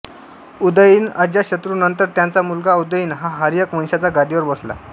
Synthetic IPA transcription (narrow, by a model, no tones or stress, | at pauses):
ud̪əjiːnəd͡ʑjaɕət̪ɾunənt̪əɾt̪jãnt͡samulɡaud̪əjiːnɦaɦaɾjəkmənɕat͡saɡad̪iʋəɾbəsla̰